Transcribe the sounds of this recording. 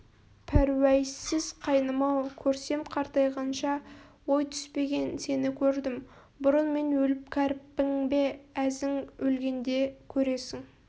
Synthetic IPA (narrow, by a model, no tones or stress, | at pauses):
pʰæɾwæjsɪz̥qʰɑjnəmɑwkʲʰɵɾse̞mqʰɑɾt̪ɑjʁɑnʃɑwo̞jt̪ʰʏ̥spe̞ɡʲe̞nse̞nɪkʲʰɵɾd̪ɪm | bʊɾənme̞nwɵlɪp̚kʲʰæɾpːɪŋbe̞æzɪŋɵlɡʲe̞nd̪e̞kʲʰɵɾe̞sɪŋ